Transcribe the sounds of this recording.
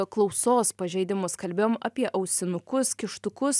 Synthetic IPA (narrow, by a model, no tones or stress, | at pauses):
klˠɒʊsoːspɐʒʲɛɪd̪ʲɪmʊskɐlʲbʲeːjoːmɐpʲiɛʔɐʊsʲɪnʊkʊskʲɪʃt̪ʊkʊs